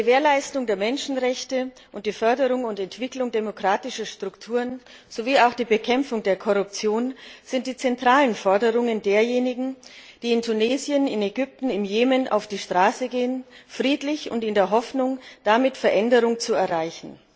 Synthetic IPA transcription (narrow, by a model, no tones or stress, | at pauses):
diɡ̥əveːɐlaɪstʊŋdeːɐmɛnʃn̩ʁɛçtə | ʔʊnt̚d̥iːfœɐdəʁʊŋʊntɛntv̥ɪklʊŋdemokʁ̥aːtɪʃɐʃtʁ̥ʊktʰuːʁən | z̥oviːaʊxd̥iːbəkʰɛmfʊŋdeːɐkʰɔʁʊp̚t͡sjoːnz̥ɪntd̥iːt͡sɛntʁ̥aːlənfɔɐdəʁʊŋəndeːɐjeːnɪɡŋ̩d̥iːɪntʰuneːzjənɪnɛɡʏp̚tn̩ɪmjeːməna̰ʊfd̥iːʃtʁ̥aːsəɡeːənfʁiːtlɪçʊ̰ntɪndeːɐɦɔfnʊŋd̥amɪtfɛɐʔɛndəʁʊŋt͡suɛɐʁaɪçn̩